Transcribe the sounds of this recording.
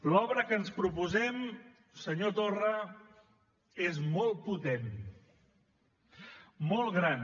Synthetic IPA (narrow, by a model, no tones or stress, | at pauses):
lɔβɾəkənspɾupuzɛm | səɲot̪orə | ezmɔlˠt̪̚put̪en | mɔlˠɣɾan